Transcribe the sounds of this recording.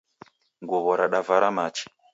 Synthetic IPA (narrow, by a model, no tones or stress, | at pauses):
ŋɡuβɔɾaɗavaɾamaːt͡ʃi̥